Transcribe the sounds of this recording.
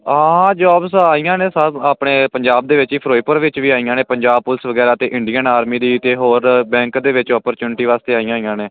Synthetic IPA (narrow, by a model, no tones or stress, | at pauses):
ɦãːɦãːd͡ʒɔːbsaːiːjãːneːsəbaːpɳeːpəɲd͡ʒaːb̚d̪eːʋɪt͡ʃiːpʰɾoːiːpəɾʋɪt͡ʃʋiːaːijãːneːpəɲd͡ʒaːb̚pʊlsʋəɡɛːɾaːt̪eːʔɪ̃ɳɖiːənaːɾmiːd̪iːt̪eːɦoːɾbɛ̃ːŋkd̪eːʋɪt͡ʃɔːpəɾt͡ʃuːnʈiːʋaːst̪eːaːijãːiːjãːneː